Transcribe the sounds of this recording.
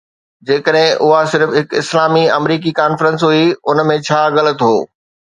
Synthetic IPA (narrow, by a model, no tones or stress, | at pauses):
d͡ʑeːkəɗɦɪ̃ʔʊɦasɪɾfɦɪkɪ̰slaːmiɐmɾiːk̬ikaːnfɾə̃nsɦuiʊnmẽt͡ɕʰaːɣɐlə̆t̪ɦoː